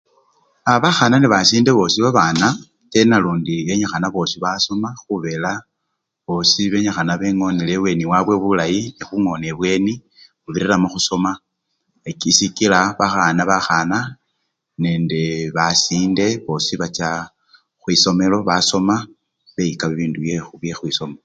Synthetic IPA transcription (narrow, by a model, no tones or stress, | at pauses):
aβaxananiβasiːnde̞βo̞ːsiβaβana | te̞naluːndie̞ɲaxanaβo̞siβaso̞maxuβe̞la | βo̞siβe̞ɲaxanaβe̞ŋo̞nileβwe̞niwaβwe̞βulajinixuŋo̞neβwe̞ni | βuβiɾiɾamoxuso̞ma | ekisikilaβaxanaβaxana | ne̞ːndeβasiːnde̞βo̞siβat͡ʃa | xwiso̞me̞lo̞βaso̞ma | βe̞ikaβiβiːnduje̞xuβjexwiso̞me